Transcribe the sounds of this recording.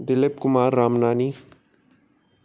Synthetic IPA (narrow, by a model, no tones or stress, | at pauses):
d̪ɪlɪp̚kʊmaːɾːaːmnaːni